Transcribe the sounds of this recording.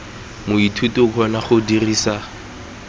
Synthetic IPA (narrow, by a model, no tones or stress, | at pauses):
mʊitʰutʼiʊkʰɔnaχʊdiriːsa